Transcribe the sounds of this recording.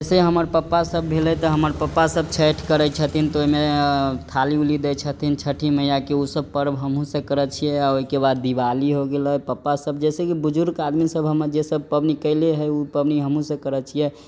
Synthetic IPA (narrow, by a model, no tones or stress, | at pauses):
seɦəməɾpəpːasəbːʱelɛt̪ɔɦəməɾpəpːasəb̚t͡ʃʰeʈʰkəɾət͡ʃʰət̪ʰint̪oɦimet̪ʰaliulid̪ɛt͡ʃʰət̪ʰint͡ʃʰəʈʰiməjakeusəb̚pəɾbɦəmɦũsə̃kəɾət͡ʃʰijɛaoɦikebad̪ːibaliɦoɡeləpəpːasəb̚d͡ʒɛsekibud͡ʒuɾɡad̪misəbɦəməɾd͡ʒesəb̚pəbnikəleɦəupəbniɦəmɦũsə̃kəɾət͡ʃʰijɛ